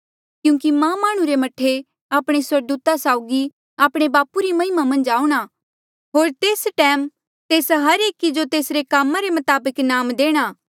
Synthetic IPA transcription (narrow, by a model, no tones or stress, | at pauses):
kjũːkimãmaːɽ̃ũɾemɐʈʰːe | aːpɽ̃eswɐɾd̪uːt̪asaːʊɡi | aːpɽ̃ebaːpuɾimɐɦɪmamɐ̃nd͡ʒaːuɽ̃a | ɦoːɾt̪eːsʈɛːm | t̪eːsɦɐɾeːkid͡ʒot̪eːsɾekaːmãɾemɐt̪aːbəknaːmd̪eːɽ̃aː